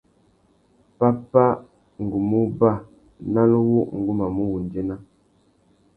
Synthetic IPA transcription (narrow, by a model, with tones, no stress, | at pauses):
pa˦pa˦ | ŋ̩˨ɡu˨mu˦ba˦˨ | na˦lwu˦ŋ̩˨ɡu˦ma˨mu˦wu˨n˨d͡ʒe˦na˦